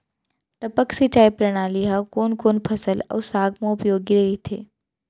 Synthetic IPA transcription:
ʈ̪ɐpəksit͡ʃaːjpɾɐɽ̃aːliɦakoːnkoːnpʰɐsəlɐ̰ːsaːɡmẽʊpjoːɡiɾɐɦit̪ʰḛː

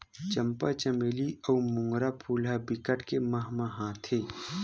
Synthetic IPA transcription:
t͡ʃɐ̃mpat͡ʃəmeːliɔːmʊ̃ŋɡɾapʰuːlabɪkəʈkemɐɦmaɦãːt̪ʰeː

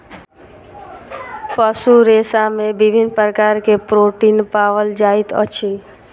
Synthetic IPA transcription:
pəsuɾeːsamẽbɪbʱɪnpɾəkaːɾkepɾoːʈiːnpaːʋəld͡ʒaːɪt̪ɔ̰t͡ʃʰi

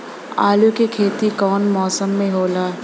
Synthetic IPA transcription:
aːlukekʰeːt̪ikɔːnmɔːsəmːẽɦoːlaː

